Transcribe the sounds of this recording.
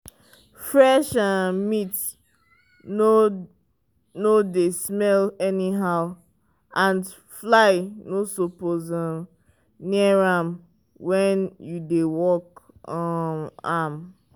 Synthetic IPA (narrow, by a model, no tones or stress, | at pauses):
fɹɛʃãnmit | no | nodesmɛlɛniɦaʊ | ãn | flaɪnosopozə̃ | niaɹam | wɛ̃njudewɔk | ɔam